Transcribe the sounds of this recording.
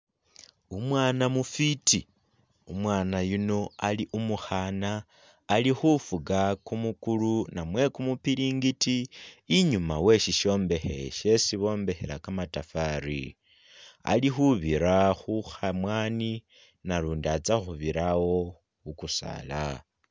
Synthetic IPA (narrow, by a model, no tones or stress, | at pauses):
umwaːnamufiti | umwaːnajuno̞aliʔumuxanaː | lixufuɡakumukulunamwe̞kumupiɾiːŋɡitiːɲuma̰we̞ʃiʃo̞ːmbe̞xe̞̰ʃe̞siβo̞ːmbe̞xe̞̰lakamatafaɾḭ | a̰lixuβiɾaxuxamwaːni | naɾuːndiat͡saxuβiɾawo̞ | xukusa̰la̰